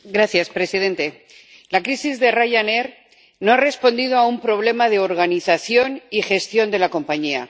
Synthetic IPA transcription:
ɡɾaθjaspɾe̞sið̞e̞nt̪e̞ | lakɾisizðe̞raʝane̞ɾ | no̞are̞spo̞nd̪ið̞o̞aumpɾo̞β̞le̞maðeo̞ɾɣaniθaθjo̞nixe̞st̪jo̞nd̪e̞lako̞mpaɲia̰

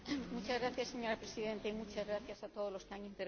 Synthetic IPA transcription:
mut͡ʃazɣɾaθjase̞ɲo̞ɾapɾesiðe̞nt̪aimut͡ʃazɣɾaθjasat̪oð̞o̞zlo̞skeaŋĩnt̪eɾ

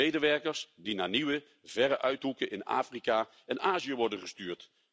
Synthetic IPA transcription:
ejdəʋɛɹkəɹsdinaːɹniʋə | vɛɾəʔœɥtɦukənʔɪna̰ːfrikaː | ɛnaːziəʋɔɹdənχəstyːɹt

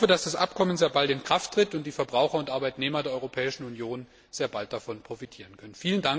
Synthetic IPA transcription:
fədasd̥asʔa̰pkʰɔmənzeːɐbaltɪnkʁ̥aftʁ̥ɪtʊnt̚d̥iːfɛɐbʁaʊxɐʊntʔaɐbaɪtneːmɐdeːɐʔɔʏʁopʰɛːɪʃn̩unjoːn | z̥eːɐbalt̚d̥afɔnpʁ̥ofitʰiːʁ̞ənkʰœnənfiːləndaŋ

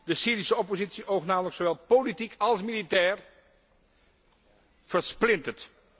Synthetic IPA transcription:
dəsiːɾisəɔpozitsiʔowχnaːmələksowʋɛlˠpolitikɑlˠsmilitɛːɹ | v̥əɹsplɪntət

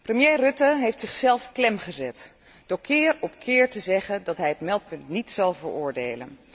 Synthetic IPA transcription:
prəmjejrɵtəɦejftsɪχsɛlˠfklɛmχəzɛt | d̥oːɹkʰɪːɹɔp̚kʰɪːɹtəzɛχəndɑtɦɛjɦətmɛlˠt̚pɵntnitsɑlˠvəɹʊːɹdejlə̰n

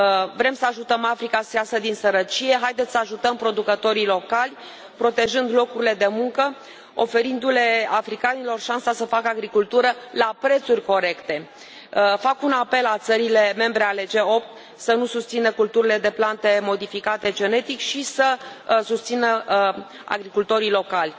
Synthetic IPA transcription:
vɾe̞msəaʒut̪əmafɾikaseasəd̪insəɾət͡ʃije̞ɦajd̪et̪ssəaʒut̪əmpɾo̞d̪ukət̪o̞ɾilo̞kalʲ | pɾo̞t̪e̞ʒɨnd̪lo̞kuɾile̞d̪e̞muŋkə | o̞̰fe̞ɾind̪ule̞afɾikanilo̞rʃansasəfakəaɡɾikult̪uɾəlapɾe̞t̪surʲko̞ɾe̞kt̪e̞ | fakunape̞lat̪səɾile̞me̞mbɾe̞ale̞d͡ʒe̞o̞p̚t̪ | sənusust̪sinəkult̪uɾile̞d̪e̞plant̪e̞mo̞d̪ifikat̪e̞d͡ʒe̞ne̞t̪ikʃisəsust̪sinə | a̰ɡɾikult̪o̞ɾilo̞kalʲ

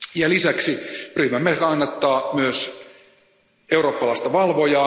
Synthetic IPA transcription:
jɑlisæksiryhmæmːehrɑnːɑt̪ːɑːmyøs | euroːpːɑlɑˑist̪ɑʋɑlʋojɑ

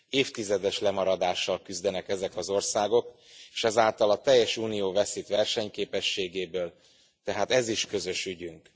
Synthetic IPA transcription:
eːft̪izɛd̪ɛʃlɛmɒɾɒd̪aːʃːɒlkyzd̪ɛnɛkɛzɛkɒzo̞rsaːɡo̞k | eːʃɛzaːlt̪ɒlɒt̪ɛjːɛʃuːnijoːvɛsit̪ʋɛrʃɛɲkeːpɛʃːeːɡeːbøːl | t̪ɛɦaːt̪ɛziʃkø̞zø̞ʃyɟyŋk

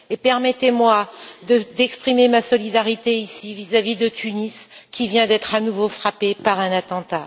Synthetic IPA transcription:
epɛʁmɛt̪emwad̪əd̪ɛkspχimemasɔlid̪aʁit̪eisivizavid̪ət̪yniskʲivjɛ̃d̪ɛt̪χanuvofχapepaʁɛ̃nat̪ɑ̃t̪a

